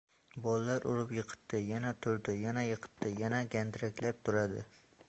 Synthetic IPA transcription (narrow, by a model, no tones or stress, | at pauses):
bɒlalaɾʔʊɾɪpjɨqʰɨ̥t̪ʰːɪjanat̪ʰʊɾd̪ɪjanajɨqʰɨ̥t̪ʰːɪjanaɡʲand̪ɪɾakʲlap̚t̪ʰʊɾad̪ɪ̰